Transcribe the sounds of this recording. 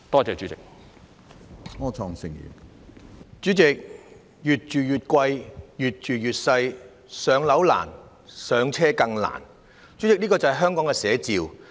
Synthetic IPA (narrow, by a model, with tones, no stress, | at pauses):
t̪ɔː˥t͡sɛː˨˧t͡ʃyː˨˥t͡sɪ˨k̚ | ŋɔː˥t͡ʃʰɔː˧ŋsɪ˧ŋjḭː˨˩m | t͡ʃyː˨˥t͡sɪ˨k̚ | jyː˨t̚t͡ʃyː˨jyː˨t̚kʷɐ˧jjyː˨˩t̚t͡ʃyː˨jyː˨t̚sɐ˧j | sœː˨˧ŋlɐ˨˥wla̰ː˨˩n | sœː˨˧ŋt͡sʰɛː˥kɐ˧ŋla̰ː˨˩n | t͡ʃyː˨˥t͡sɪ˨k̚niː˥kɔː˧t͡sɐ˨hɐ˨jɦœː˥ŋkɔː˨˥ŋkɛ˧sɛː˨˥t͡siː˨˧w